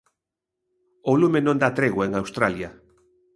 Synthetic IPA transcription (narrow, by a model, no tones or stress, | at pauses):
olumenõnd̪at̪ɾeɣoeŋawst̪ɾalja